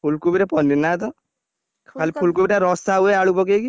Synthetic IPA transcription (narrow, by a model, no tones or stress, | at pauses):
pʰulkubiɾapɔnːinat̪̬ɔ | kkʰalipʰulkubiɾaɾɔsaueaɽupɔkeki